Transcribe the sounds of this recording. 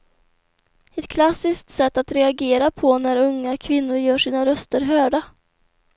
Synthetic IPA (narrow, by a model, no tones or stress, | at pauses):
ɛt̪kʰlasɪsk̚t̪sɛt̪ːat̪ɾɛaɡeːɾapʰɔnæɾɵŋːakʰvɪnːʊɾjœːʂiːnaɾœst̪əɾɦœːɖa